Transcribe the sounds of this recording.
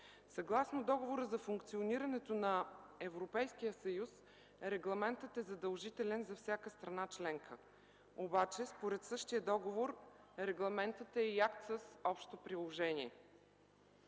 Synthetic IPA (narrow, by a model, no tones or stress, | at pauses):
sɐɡlˠasnod̪ɔɡovoɾəzɐfuŋkt̪sioniɾɐnɛt̪onɐɛvɾopɛjsk̟ijəsɐjus | ɾɛɡlˠɐmɛnt̪ət̪ɛzɐd̪əlˠʒit̪ɛlɛnzɐfsʲjakəst̪ɾɐnat͡ʃlɛŋkʰə | obat͡ʃɛspoɾɛt̪sɤʃt̪ijəd̪ɔɡovoɾ | ɾɛɡlˠɐmɛnt̪ət̪ɛiakt̪səsɔpʃt̪opɾilˠoʒɛniɛ